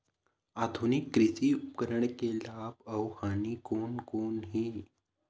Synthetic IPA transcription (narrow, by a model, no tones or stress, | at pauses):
ad̪ʱunikːɾisiːup̚kəɾəɳkelapəwhaniːkonkoɳɦiː